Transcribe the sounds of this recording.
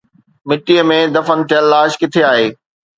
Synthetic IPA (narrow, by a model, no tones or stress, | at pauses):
mɪʈiəmẽd̪ɐfənt͡ɕelːaːʃkɪt̪ʰeaːɦeː